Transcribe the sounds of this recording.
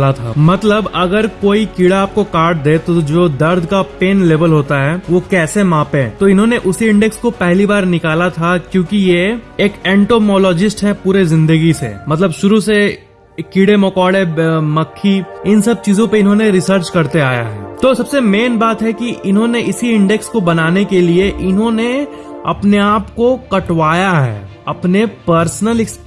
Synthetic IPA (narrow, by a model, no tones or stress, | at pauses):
lat̪ʰa̰mɐt̪ləbɐɡəɾkoːikiːɽaaːp̚kokaːɾʈ̚d̪eːt̪od͡ʒoːd̪ɐɾd̪ʱkapeːnleːʋəlɦoːt̪aɦɛːʋokɛːsemãːpẽt̪oɪnɦõːneʔʊsiɪ̃ɳɖɛkskopɛɦlibaːɾnɪkaːlat̪ʰakjõːkijeeːkɛ̃ːɳʈoːmɔːlɔːd͡ʒɪsʈɦɛpuːɾezɪ̃nd̪əɡisḛmɐt̪ləbʃʊɾuse | kiːɽemokɔːɽemɐkʰːiɪnsɐb̚t͡ʃiːzõpeɪnɦõneɾɪsəɾt͡ʃkɐɾt̪eaːja̰ɦɛ̰ːt̪oːsɐbsemeːnbaːt̪ɦɛkiʔɪnɦõneʔɪsiɪ̃ɳɖɛkskobɐnaːnekelieʔɪnɦõne | ɐpneaːpkokɐʈʋaːjaɦɛ̰ː | ɐpnepəɾsnəlɪks